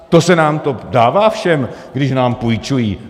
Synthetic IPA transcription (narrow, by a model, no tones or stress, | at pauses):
t̪osɛnaːmt̪o̞daːvaːfʃɛmɡdɪʃnaːmpujt͡ʃujiː